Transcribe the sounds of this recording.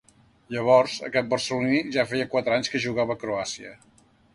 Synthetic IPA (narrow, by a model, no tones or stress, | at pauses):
ʎəβ̞ɔrzə̰kɛt̪̚bərsəluniʒafiəkwat̪ɾaɲskəʒuɣaβəːkɾoasiə̰